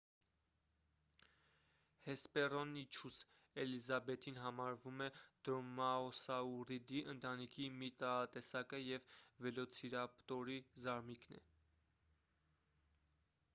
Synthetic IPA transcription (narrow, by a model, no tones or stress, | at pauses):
hɛspɛrɔnːit͡ʃʰus | ɛlizɑbɛt̪ʰinɦɑmɑɾvumɛd̪̥ɾɔmɑɔsɑurid̪iʔənt̪ɑnikʰimit̪ɑɑt̪ɛsɑkəjɛvvɛlɔt͡sʰiɾɑpt̪ɔɾizɑɾmiknɛ̰